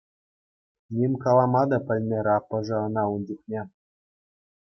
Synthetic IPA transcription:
nʲemʲkɑlˠɑmɑd̪ɑpʲɘ̆lʲmʲeɾʲɑpːɤ̆ʐɤ̆ɤ̆nɑunʲd͡ʑuχnʲe

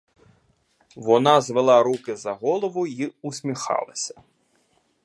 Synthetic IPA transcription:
vɔnazvɛlˠaɾukʲizɐɣɔlˠɐvuiusʲmʲixa̰lˠɐsʲɐ̥

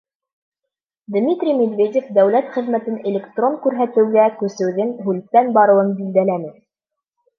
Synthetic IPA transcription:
d̪mʲit̪rʲimʲed̪vʲedʲefd̪æwlæt̪χɘ̆ðmæt̪ɘnelʲekt̪roŋkʉɾɦæt̪ɘ̆wɡækʉ̆sɘ̆wðɘŋɦʉlt̪ːænbɑɾɤ̆wɤɴbild̪ælænɘ

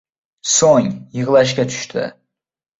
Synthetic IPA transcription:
soŋjɯʁlˠaʃ̬kʲat̪ʰy̥ʃt̪ʰɪ̰

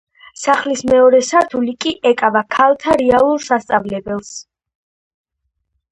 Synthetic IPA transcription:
saχlismɛɔɾɛsaɾt̪ʰulikʼiʔɛkʼavakʰalˠt̪ʰaɾɛalˠuɾsast̪sʼavlɛbɛlˠs

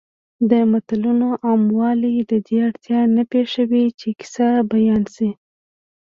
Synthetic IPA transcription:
d̪əmat̪alunoʔɑmwɑlid̪əd̪eaɽt̪jɑnapeʃawit͡ʃeki̥sabajɑnsi

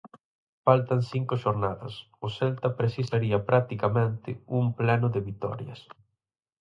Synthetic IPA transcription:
falt̪ɐŋsiŋkʊʃoɾnaðɐ̰s | ʊsɛlt̪ɐpɾesisaɾiɐpɾat̪ikamẽnt̪ɪ̰umplɛnʊðɪβit̪ɔ̰ɾjɐ̰s

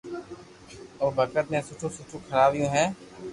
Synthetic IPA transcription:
oːbʱɐkət̪mẽsʊʈʰũsʊʈʰũkʰɐɾaːbjũːɦɛ̃ː

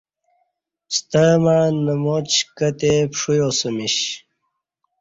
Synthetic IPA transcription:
st̪əmaːnəmot͡ɕkət̪epʂujosəmiɕ

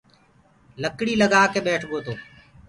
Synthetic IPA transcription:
ləkɽiːləɡaːkeːɓeːʈʰɡoːt̪oː

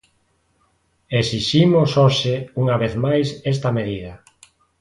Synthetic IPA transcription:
esiʃimosoʃɪuŋaβeθmajsɛst̪ɐmeðiðɐ

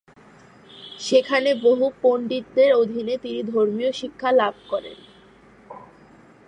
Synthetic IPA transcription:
ʃekʰaneboɦupoɳɖitd̪eɾod̪ʱinet̪inid̪ʱoɾmijoʃikʰːalab̚ʱkɔɾḛn

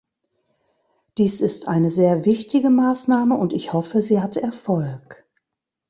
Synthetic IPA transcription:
d̥iːsɪstʔaɪnəzeːɐvɪçtɪɡəmaːsnaːməʊntɪçhɔfəziːhatɛɐfɔlk

